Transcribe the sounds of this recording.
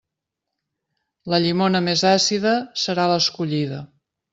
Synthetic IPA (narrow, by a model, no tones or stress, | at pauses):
ləʎimonəmezasiðəsəɾaləskuʎiðə